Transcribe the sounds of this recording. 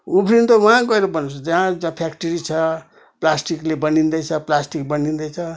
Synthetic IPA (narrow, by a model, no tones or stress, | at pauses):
ubʰɾint̪owãɡʌeɾobʌnt͡sʰd͡zaãd͡zãpʰakʈiɾit͡sʰʌ | plasʈiklebʌnind̪ʌjt͡sʰʌplasʈik̚bʌnind̪ʌjt͡sʰʌ